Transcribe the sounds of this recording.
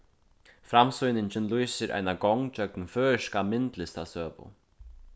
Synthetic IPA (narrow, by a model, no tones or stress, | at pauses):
fɾamsujnɪɲt͡ɕɪnlujsɪɾʔa̰jnakɔwŋt͡ɕœknfœːʃkamɪnt̪lɪst̪asœːpʊ̰